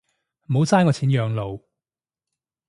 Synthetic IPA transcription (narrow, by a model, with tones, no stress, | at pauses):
m̩˨ho˨˧˥wt͡saː˥nkɔː˧t͡sʰiː˨˥njœː˨˧ŋlo˨˧w